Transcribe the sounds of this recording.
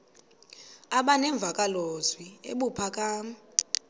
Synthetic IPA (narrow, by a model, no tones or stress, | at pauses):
aɓanɛɱb̪vʱakʼalozwiḛɓupʰakʼaː